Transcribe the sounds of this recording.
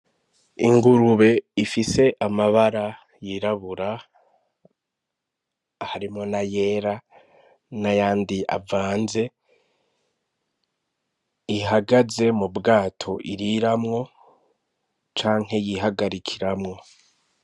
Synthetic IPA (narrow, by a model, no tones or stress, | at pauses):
iŋɡuɾuβe̞ifise̞ʔamaβaɾa | jiɾaβuɾa | haɾimŋo̞naje̞ːɾa | najaːndia̰vaːnze̞ | iɦaɡaze̞mubɡaːtʰo̞ʔiɾiɾamŋo̞ | t͡ʃaːŋ̥he̞jiɦaɡaɾikʰiɾamŋo̞